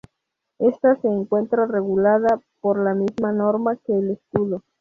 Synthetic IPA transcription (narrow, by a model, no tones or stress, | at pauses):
e̞st̪ase̞ːŋkwe̞nt̪ɾare̞ɣulaðapo̞ɾlamizmano̞ɾmake̞ːleskuðo